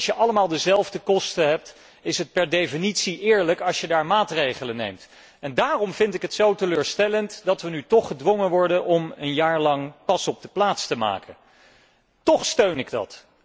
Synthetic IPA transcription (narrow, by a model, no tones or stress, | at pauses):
ʃjəʔɑləmaːlˠdəzɛlˠvdəkɔstəɦɛp̚t | ɪsɦət̚pɛɹdefinitsiʔɪːɹləkɑʃjədaːɹmaːtrejχələnḛjmt | ɛndaːrɔmvɪntɪkɦətsowtəløːɹstɛləntdɑtʋənytɔχədʋɔŋənʋɔɹdənʔɔmənjaːɹlɑŋpɑsɔb̚dəplaːtstəma̰ːkʰə | tɔχstøɥnɪɡdɑ̰t